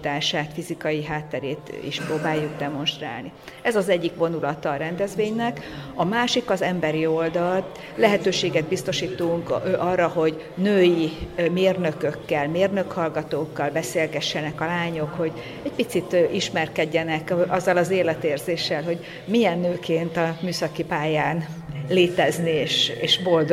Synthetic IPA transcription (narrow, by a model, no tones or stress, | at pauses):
t̪aːʃaːt̪fizikɒjiɦaːt̪ːɛɾeːt̪ḭʃpɾoːbaːjːuɡd̪ɛmo̞nʃt̪ra̰ːlniɛzɒzɛɟːikvo̞nulɒt̪ɒːɾɛnd̪ɛzʋeːɲnɛkɒmaːʃikɒzɛmbɛɾio̞ld̪ɒl | lɛɦɛt̪øːʃeːɡɛd̪̚bist̪o̞ʃiːt̪uŋkʔɒrːɒɦo̞ɟ | nøːjimeːrnø̞køkːɛlmeːrnø̞khɒlɡɒt̪oːkːɒlbɛseːlɡɛʃːɛnɛkɒlaːɲo̞kho̞ɟ | ɛc̚pit̪sit̪ʔiʃmɛrkɛɟːɛnɛkɒzːɒlɒzeːlɛt̪eːrzeːʃːɛlɦo̞ɟ | mijɛnːøːkeːnt̪ɒmyːsɒkipaːjaːnleːt̪ɛznieːʃeːʃbo̞ld̪o